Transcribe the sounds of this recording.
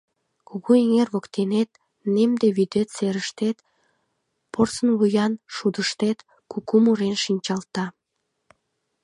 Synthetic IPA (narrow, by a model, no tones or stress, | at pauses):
kuɣoeŋerβokt̪enet̪̚ | nemd̪eβyd̪et̪seɾəʃt̪et̪ | porsənβujɑnʃud̪əʃt̪et̪ | kukumuɾenʃinʲt͡ɕɑlt̪ɑ